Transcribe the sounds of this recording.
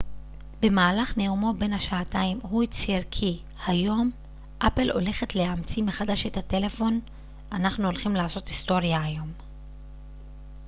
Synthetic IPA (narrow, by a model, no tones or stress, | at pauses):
be̞maːlaχneumo̞be̞nhaʃaːtaimhut͡siʁkʰi | hajo̞m | ʔape̞lʔo̞̰le̞χe̞tle̞amt͡simeχadaʃe̞thate̞le̞fo̞n | anaχnuo̞lχimlaːso̞tisto̞ʁjaːjo̞m